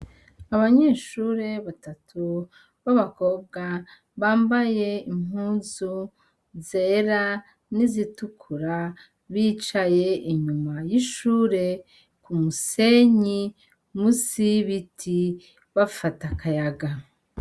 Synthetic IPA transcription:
aβaɲe̞ːʃuːɾe̞βatatʰu | βaβako̞b̚ɡa | βaːmbaje̞im̥huːnzu | zeɾa | nizitukʰuɾa | βiːt͡ʃaje̞ʔiɲumajiʃuːɾe̞ | kumuse̞ɲi | musiβitʰi | βafatakajaɡa

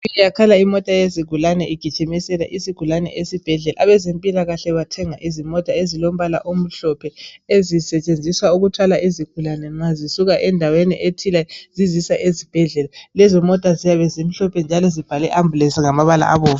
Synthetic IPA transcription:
jakʰalaimɔtʼajeziɡ̥ʱulanɛʔiɡ̥ʱi̥t͡ʃʼimisɛla̰ʔisiɡ̥ʱulanɛ̰ʔesib̥ʱɛɮɛlaaβɛzempʼilaɣaɬɛβatʰɛŋaʔizimɔtʼaezilom̩βala̰ʔom̩ɬɔpʰɛezisɛt͡ʃʼend͡zʱiswauɣutʰwalaʔeziɡ̥ʱulanɛŋ͡ǀazisuɣaʔɛndʱaweniʔetʰilazizisaʔezib̥ʱɛɮɛlalɛzɔmɔtʼazijaβɛzem̩ɬɔpʰɛnd͡ʒʱalɔzib̥ʱalɛʔamblɛsiŋamaβala̰ʔa̰βoːva

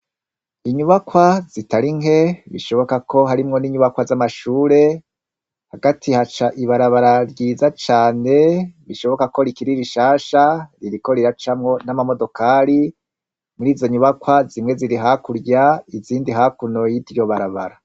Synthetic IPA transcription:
iɲuβakwazitaɾiŋe̞βḭʃo̞βo̞kakʰo̞ɦaɾimŋo̞niɲuβakwazamaʃuːɾe̞ | haɡatʰihat͡ʃaʔiβaɾaβaɾaɾɟiːzat͡ʃaːne̞βiʃo̞βo̞kako̞ɾikiɾiɾiʃaːʃaɾiɾiko̞ɾiɾat͡ʃamŋo̞namamo̞do̞kaɾi | muɾiːzo̞ɲuβakwazimŋe̞ziɾiɦakuɾɟaiziːndiɦakuno̞jivjo̞βaɾaβa̰ɾa

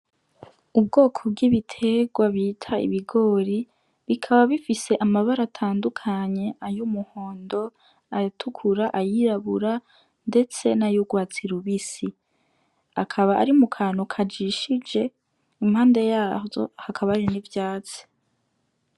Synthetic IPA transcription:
ub̚ɡo̞ːkʰo̞b̚ɡiβitʰe̞ɡwaβiːtʰaḭβiɡo̞ːɾi | βikʰaβaβifise̞ʔamaβaɾatʰaːndukʰaɲe̞ajumuho̞ːndo̞ | atʰukʰuɾaʔajiɾaβuɾa | nde̞t͡se̞najuɡwaːt͡siɾuβisi | akʰaβaʔa̰ɾimukʰaːnokʰad͡ʒiʃid͡ʒe̞ | imhaːnde̞jaːzo̞̰hakʰaβaɾinivjaːt͡se̥

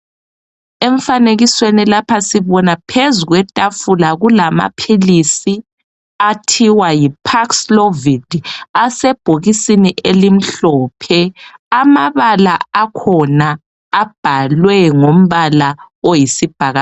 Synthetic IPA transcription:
eɱ̩faneɣiswenilapʰasiβɔnapʰezuɣwɛtʼafulaɣulama̰pʰilisi | atʰiwajipʰakslovid̥ʱasɛb̥ʱoɣisiniʔelim̩ɬɔpʰɛamaβalaakʰɔnaː | b̥ʱalwɛŋom̩βala | ojisib̥ʱaɣa

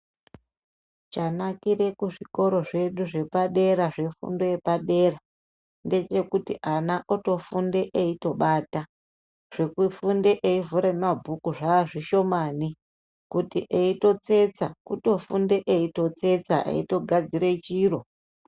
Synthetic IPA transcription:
t͡ʃanakire̞kuʐiko̞ɾo̞ʐe̞ɗuʐe̞paɗe̞ɾaʐe̞fṵndo̞je̞paɗe̞ːra | nde̞t͡ʃe̞kutiʔanaʔoto̞funde̞ʔeito̞ɓaːta | ʐ̥ekufunde̞ʔeivuɾemabʱukuʐaːʐiʃo̞maːni | kutiʔeito̞t͡se̞t͡sakuto̞funde̞ʔeito̞t͡se̞t͡saʔḛito̞ɡʱad͡ziɾe̞t͡ʃiːro̞

